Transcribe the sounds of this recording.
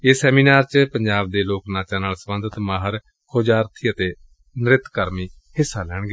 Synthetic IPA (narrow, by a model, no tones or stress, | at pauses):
eːsɛːmiːnaːɾt͡ʃpəɲd͡ʒaːb̚d̪eːloːknaːt͡ʃãːnaːlsəmənd̪ət̪maːɦəɾ | kʰoːd͡ʒaːɾt̪ʰiːət̪eː | nɪɾɪt̪kəɾmiː | hɪsːaːlɛːɽ̃ɡeː